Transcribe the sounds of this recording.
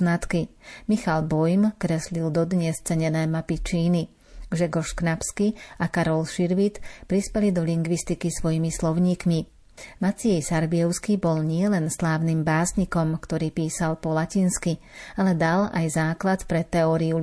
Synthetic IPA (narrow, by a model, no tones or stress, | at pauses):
nat̪kimixalbɔjmkɾɛslild̪ɔd̪ɲɛst͡sɛɲɛnɛːmapit͡ʃiːni | ʒɛɡɔʃknapskiakaɾɔlʃiɾʋit̪pɾispɛlid̪ɔʎiŋɡʋist̪ikisʋɔjimislɔʊɲiːkmi | mat͡siɛjsaɾbiɛʊskibɔlɲɪɛlɛnslaːʊniːmbaːsɲikɔmkt̪ɔɾiːpiːsalpɔlacinski | alɛd̪alajzaːklat̪pɾɛt̪ːɛɔːɾiu